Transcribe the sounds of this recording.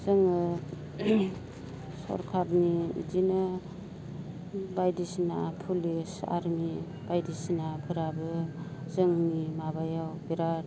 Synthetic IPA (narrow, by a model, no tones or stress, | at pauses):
zɯŋɯ | sɔ̰ɾkʰaɾniḭdinɯ | bajdisnapʰulisa̰ɾni | bajdisnapʰɯɾabɯzɯŋnimabajawbiɾaɾ̚